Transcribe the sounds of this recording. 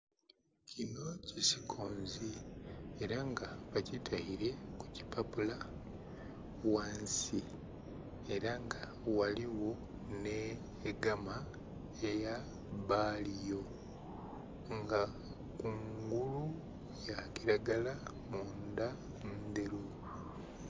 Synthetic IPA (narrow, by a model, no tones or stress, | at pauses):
cʰino̞cisi̥kʰoːnzieɾaŋɡaβacitʰaiɾe̞ku̥ci̥papula | waːnsi | e̞ɾaŋɡa | waliwo̞ | ne | ɡama | eja | βalijo̞ | ŋɡa | kuŋɡulu | jakiɾaɡala | mund̪a | nnd̪eɾu